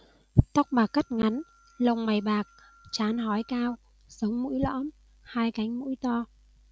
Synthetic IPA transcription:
t̪ɔ˦˥wk͡p̚ɓaː˨˩kːa˦˥t̚ŋa˨˦n | lə˨˧˩wŋ͡mma˨˩jɓaː˨˩k̚ | t͡ɕaː˨˦nɦɔ˨˦jkaː˧w | sə˨˦wŋ͡mmṵ˧˥jlɔ̰˧˥m | haː˧jka˨˦jŋ̟mṵ˧˥jt̪ɔ˧

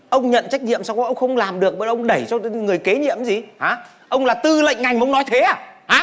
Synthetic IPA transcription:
ʔə˧wŋ͡mɲə̰˧˨nt͡ɕa˦˥jk̟̚ɲḭ˧˨əmsaː˧wkːʔə˧wŋ͡mxə˧wŋ͡mlaː˨˩mɗɨ˨˩ək̚ɓə̰ː˧˨ʔə˧wŋ͡mɗə˧˩jt͡ɕɔ˧ŋɨ˨˩əjke˨˦ɲḭ˧˨əmzi˨˩haː˨˦ | ʔə˧wŋ͡mlaː˨˩t̪ɨ˧lə̰˧˨ŋ̟ŋa˨˩jŋ̟˨˧wŋ͡mnɔ˨˦jt̪ʰe˨˦aː˨˩haː˨˦

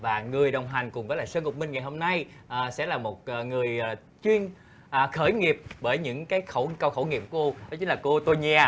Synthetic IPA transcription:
vaː˨˩ŋɨ˨˩əjɗə˨˩wŋ͡mɦa˨˩jŋ̟kʊ˨˩ŋ͡mvəː˨˦laː˨˩səː˧ŋʊ˨˩k͡p̚mï˧ŋ̟ŋa˨˩jho˧mna˧jʔːsɛ̰˧˥laː˨˩mo˨˩t̚ʔːŋɨ˨˩əj | t͡ɕwi˧ən | ʔːxəː˧˩jŋi˨˩əp̚ɓəː˧˩jɲɨ̰˧˥ŋkaː˨˦jxə˧˩wkə˧wxə˧˩wŋi˨˩əp̚kko˧nɔ˨˦t͡ɕi̟˨˦laː˨˩ko˧t̪o˧jɲɛ˧

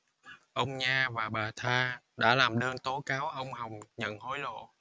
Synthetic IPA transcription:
ʔə˧wŋ͡mɲaː˧vaː˨˩ɓaː˨˩t̪ʰaː˧ɗa̰ː˧˥laː˨˩mɗəː˧nt̪o˨˦kaː˨˦wʔə˧wŋ͡mha˨˩wŋ͡mɲə̰˧˨nho˨˦jlo̰˧˨

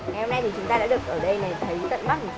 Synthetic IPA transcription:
ŋa˨˩jho˧ŋ͡mna˧jt̪ʰi˨˩t͡ɕʊ˨˦ŋ͡mt̪aː˧ɗa̰ː˧˥ɗɨ˨˩ək̚ʔəː˧˩ɗə˧jna˨˩t̪ʰə˨˦jkə˦˥t̚ma˦˥t̚mo˨˩

